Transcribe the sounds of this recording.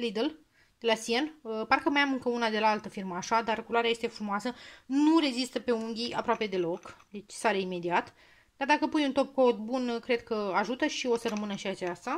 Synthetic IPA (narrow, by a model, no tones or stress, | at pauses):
lid̪əl | d̪̥e̞lasienəparkəmajamɨŋkəunad̪e̞laalt̪əfirməaʃad̪arkuloaɾeaje̞st̪e̞fɾumoasənure̞zist̪əpe̞uŋɡʲiʔa̰pɾoape̞d̪e̞lo̞kd̪e̞t͡ʃʲsaleime̞d̪iat̪ | d̪̥ard̪akəpujunt̪o̞p̚ko̞d̪bunkɾe̞d̪̚kəaʒut̪əʃio̞sərəmɨnəʃiat͡ʃast̪a